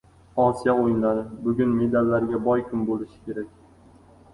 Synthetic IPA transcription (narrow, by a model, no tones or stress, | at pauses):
ɒsijaojɪnlaɾɪbʊɡʲʊnme̞d̪alːaɾɡʲabɒjkʲʰʊmbolɪʃɪ̥kʲe̞ɾak̚ʲ